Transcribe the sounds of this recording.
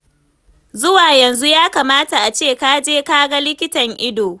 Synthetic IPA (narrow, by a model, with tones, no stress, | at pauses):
zʊ˦waː˨jɐ˨nzu˦jaː˦kaː˨maː˦ta˨ʔa˨t͡ʃeː˦˨kaː˦d͡ʒeː˦kaː˦ɡa˦lɪ˦kʲɪ˦tɐ˨ŋʔɪ˦doː˨